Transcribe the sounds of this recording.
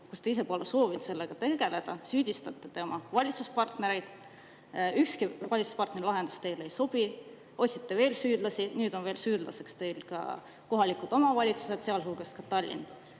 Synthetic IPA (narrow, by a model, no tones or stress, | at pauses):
kust̪eis̬e̞poleso̞ːvind̪̥se̞lːeɡ̥ɑt̪e̞ɡe̞le̞d̪̥ɑsyːd̪̥ʲist̪ɑt̪ːˑet̪eomʔɑvɑlʲit̪suspɑrt̪ne̞ɾe̞jd̪̥ | ykskivɑlʲit̪suspɑrt̪ne̞ɾilɑɦe̞nd̪̥u̥st̪e̞jlejso̞b̥i | o̞sʲit̪ːeve̞ːlsyːd̪lɑsinyːd̪o̞nve̞ːlsyːd̪lɑ̰se̞kst̪e̞jlkɑ̰ | ko̞ɦɑlikˑud̪̥o̞mɑvɑlʲit̪su̥sed̪̥seɑlɦuːɡ̥ɑst̪kɑt̪ɑlʲːḭn